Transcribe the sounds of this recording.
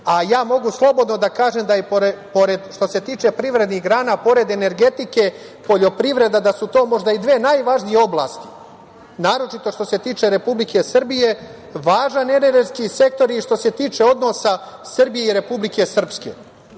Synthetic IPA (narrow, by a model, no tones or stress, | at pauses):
ajaːmo̞ɡuslˠo̞bo̞d̪no̞d̪akaːʒemd̪ajepoɾepoɾed̪ʃt̪o̞se̞t̪iːt͡ʃe̞pɾiʋɾe̞d̪niɦɡɾaːnapo̞ɾe̞d̪e̞ne̞ɾɡe̞t̪ike̞ | po̞ʎo̞pɾiʋɾe̞d̪ad̪asut̪o̞ːmo̞ʒd̪aid̪ʋeːnajʋaʒnije̞o̞blˠa̰ːst̪i̥ | naːɾo̞t͡ʃit̪o̞ʃt̪o̞se̞t̪iːt͡ʃe̞ɾe̞publikʰe̞srbije̞ | ʋaːʒane̞neɾɡskise̞k̚t̪o̞ɾiʃt̪o̞se̞t̪iːt͡ʃe̞o̞d̪no̞sasrbije̞iɾe̞publike̞sr̩pskḛ